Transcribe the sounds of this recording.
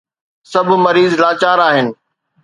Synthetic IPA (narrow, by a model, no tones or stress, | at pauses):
sɐbʱʊmɐɾiːzlaːt͡ɕaːɾaːɦɪnɪ̆